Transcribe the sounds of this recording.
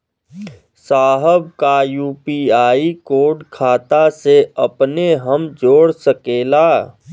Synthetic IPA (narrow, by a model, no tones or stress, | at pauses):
saːɦəb̚kajuːpiːaːikoːɖkʰaːt̪aseɐpneɦəmd͡ʒoːɽsəkeːlaː